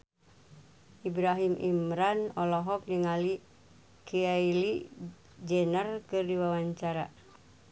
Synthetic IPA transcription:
ʔibɾaɦimʔḭmɾanɔlɔɦɔk̚niŋali | kʰiaili | d͡ʒɛnərkɨrdiwawaɲt͡ʃaɾa

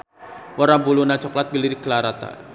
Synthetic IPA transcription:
wɔɾabulunat͡ʃɔklat̪̚biliɾikəlaɾat̪a̰

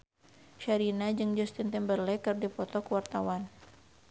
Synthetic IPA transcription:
ʃaɾinad͡ʒɨŋd͡ʒɔst̪int̪ɛmbərlɛkɨrdipɔt̪ɔkuwart̪awan

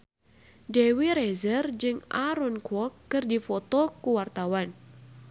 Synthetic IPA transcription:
dewiɾɛzərd͡ʒɨŋʔaɾɔnkwɔkːɨrdifɔt̪ɔkuwart̪awan

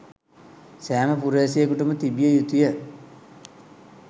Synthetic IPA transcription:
sæːməpuɾeːsijekuʈəmət̪ibijəjut̪ijə

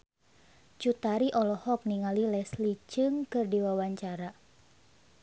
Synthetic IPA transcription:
t͡ʃut̪aɾiʔɔlɔhɔk̚niŋalilɛslit͡ʃɨŋkɨrdiwawaɲt͡ʃaɾa

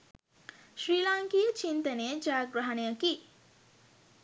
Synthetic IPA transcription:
ʃɾiːlaŋkijət͡ʃint̪ɐneːd͡ʒaːɡɾɐɦɐnejɐki

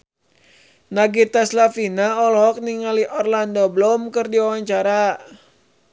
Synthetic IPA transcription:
naɡit̪aslafinaɔlɦɔk̚niŋaliʔɔrlandɔblɔmkɨrdiawaɲt͡ʃaɾa

